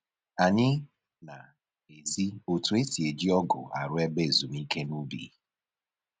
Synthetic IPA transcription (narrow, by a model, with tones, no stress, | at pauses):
a˨ɲɪ˦ | na˨ | e˨zi˦o˨tu˨˦e˦si˨e˨d͡ʒi˦ɔ˦ɡʊ̰˨a̰˨ɾʊ˦e˦be˦˨zu˨mi˦ke˦nu˦bḭː˨˦